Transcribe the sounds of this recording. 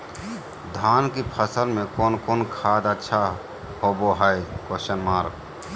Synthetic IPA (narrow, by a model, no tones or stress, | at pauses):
d̪ʱaːnkipʰəsəlmẽkoːnkoːnkʰaːd̪ətːʃʰa | hoːboɦəjkoʃənmaːɾɡ